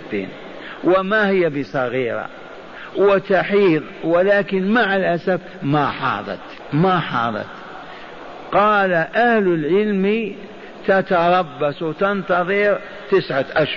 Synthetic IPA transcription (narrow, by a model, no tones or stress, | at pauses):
ḛːn | wɪmahɪjːabɪsˤɑɣiːɾa̰ | wɪt̪aħiːðˤ | wɪlaːkɪnmaʕalʔasaf | maħɑ̰ːðˤɑ̰t̪ | maħɑ̰ːðˤɑ̰t̪ | qɑːlaʔahlɪlʕɪlmi | t̪at̪ɑɾˤɑbːaswt̪ɪnt̪ɑðˤɨɾ | t̪ɪsʕat̪ʔaʃ